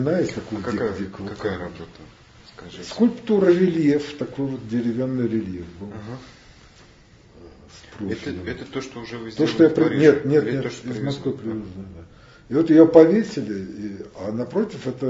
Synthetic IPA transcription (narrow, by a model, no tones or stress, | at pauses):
ɪnajesʲt̪ɐkojʲikd̪ʲikvot̪ɐot̪ | ɐskʊlʲpt̪uɾəɾʲɪlʲjeft̪ɐkojvo̞t̪̚dʲɪɾʲɪvʲanːɨjɾʲɪlʲjefbɨlˠ | spɾosʲˠɛt̪ət̪oʂt̪oʊʐɛvt̪oʂt̪ojapɾʲɪnʲe̞t̪nʲet̪nʲet̪ɪzmɐskvɨpɾʲɪd̪uzd̪ad̪ | ɪvo̞t̪jɪjopɐvʲesʲɪlʲɪianɐpɾo̞tʲɪfɛt̪ə